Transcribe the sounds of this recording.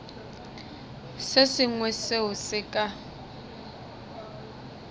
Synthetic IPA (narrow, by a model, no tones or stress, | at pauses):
sesɪŋwɛseɦʊsɪkʼa